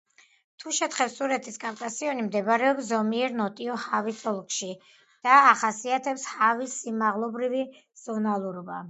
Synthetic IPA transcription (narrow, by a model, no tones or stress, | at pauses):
t̪ʰuʃɛt̪χɛpsuɾɛt̪ʰiskʼapkʼasiɔnimd̪ɛbɾɛɔpszɔmiɛɾnɔt̪ʼiɔhavisɔlˠkʼʃi | d̪̥aːχasiat̪ʰɛpshavisːimaʁlˠɔbɾivi | z̥ɔnalˠuɾɔba̰